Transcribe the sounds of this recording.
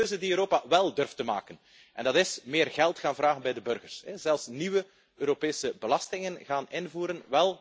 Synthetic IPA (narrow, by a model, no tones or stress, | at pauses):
øːzəndiøɾoːpaʋɛlˠdɵrftəma̰ːkən | ʔɛ̰ndɑtɪsmɪːrɣɛlˠtxaːnvraːɣənbɛjdəbɵrɣərsɛzɛlˠfsniʋə | øːɾopeːsəbəlɑstɪŋənɣaːnɪnvuːɾənʋɛlˠ